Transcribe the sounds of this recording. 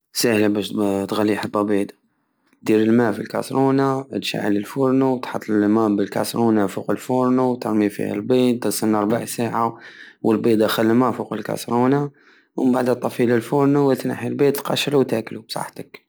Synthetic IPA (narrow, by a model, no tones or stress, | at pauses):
sahlabæʃt̪ɣalːiħabːabeːd̪a | t̪̚d̪iːɾəlmaːʔfilkɑ̰sɾuːnat̪ʃa̰ʕ̰lɪlfuɾˤnut̪ħɑt̪ˤːlmabɪlkɑ̰sɾuːnafṵqəlfuːɾˤnuwt̪ɑɾˤmifḭha̰lbeːt̪̚ːsɪnːʔɑɾˤbaʕsaːʕawəlbeːd̪axalːmafuːqəlkɑ̰sɾuːna | wmbaʕd̪t̪ˤːɑfiːlɪlfuɾˤnuwət̪naħilbeːt̪ːqɑ̰ʃluwt̪aːklubsˤɑ̰ħt̪ək